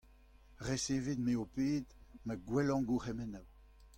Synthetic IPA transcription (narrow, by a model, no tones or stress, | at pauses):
ʁeseːved̪meopeːd̪maɡwɛlɑ̃ɡuχɛmɛnaw